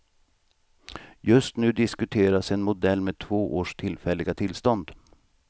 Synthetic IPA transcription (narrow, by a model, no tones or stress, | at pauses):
jɵst̪nʉ̟ːd̪ɪskɵt̪ʰeːɾasɛnmʊd̪ɛlːmeːt̪ʰvoːʔoːʂt̪ʰɪlfɛlːɪɡat̪ʰɪlːst̪ɔnd̪